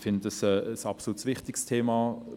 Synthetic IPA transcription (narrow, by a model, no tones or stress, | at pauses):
fɪnddəsɛəsɑpsolutsʋɪχtɪkstʰeːma